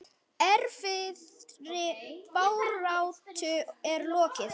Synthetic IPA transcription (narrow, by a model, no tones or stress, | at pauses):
ɛɾfɪðɾɪpawrawt̪ʰʏɛɾlɔːcɪθ